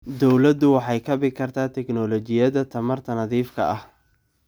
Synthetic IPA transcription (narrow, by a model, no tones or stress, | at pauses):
d̪ɔwlɐd̪ʊwɑħɑjkʰɐβɪkʰɐrt̪ʰaːt̪ʰɛknɔlɔt͡ʃɪjɐðɐt̪ʰɐmɐrt̪ʰɐnɐðiːfkʰɐ̰ɐh